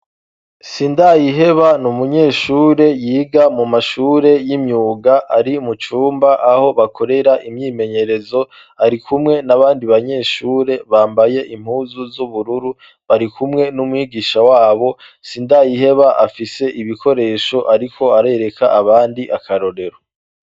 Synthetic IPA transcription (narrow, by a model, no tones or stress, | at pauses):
siːndajiɦe̞βanumuɲe̞ːʃuːɾe̞jiːɡamumaʃuːɾe̞jimɲuːɡaʔaɾimut͡ʃuːmbaʔaho̞βakʰo̞ɾe̞ɾaʔimɲiːme̞ɲe̞ɾe̞zo̞ | aɾikʰumŋe̞naβaːndiβaɲe̞ːʃuːɾe̞βaːmbaje̞ʔim̥huːzuzuβuɾuɾu | βaɾikʰumŋe̞numwiːɡiːʃawaːβo̞ | siːndajihe̞βaʔafise̞ʔiβiko̞ɾe̞ːʃo̞ʔaɾikʰo̞aɾe̞ɾe̞kaaβaːndiʔakʰaɾo̞ɾe̞ɾo